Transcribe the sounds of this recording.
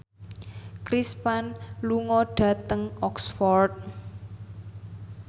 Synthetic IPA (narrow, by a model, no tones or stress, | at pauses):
kɾispanluŋɔɖ̥ä̤t̪əŋɔksfɔrt̪̚